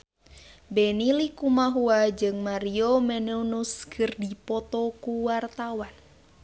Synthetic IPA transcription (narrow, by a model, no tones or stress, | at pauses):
bɛnilikumaɦuad͡ʒɨŋmaɾiomɛneunuskʰɨrdipɔt̪ɔkuwart̪awan